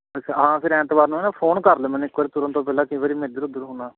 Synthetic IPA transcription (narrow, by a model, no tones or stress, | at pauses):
kɦãːpʰɪɾɛ̃ːt̪ʋaːɾnũːɛːnaːpʰoːnkəɾlːmɛ̃ːnɪkːʋaːɾiːt̪ʊɾə̃nt̪õːpɛːlãːkɪ̃ĩːʋaːɾiːmẽːd̪əɾʊd̪əɾɦʊnaː